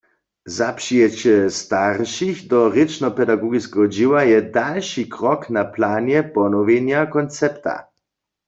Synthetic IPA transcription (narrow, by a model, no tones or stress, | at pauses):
zapʃijɛt͡ɕɛst̪aʁʃixdɔʁet͡ʃnɔpɛdaɡɔɡiskɛɦɔd͡ʒiwajɛdalʃikʁɔknaplaːnjɛpɔnɔʋenjakɔnt͡sɛpt̪a̰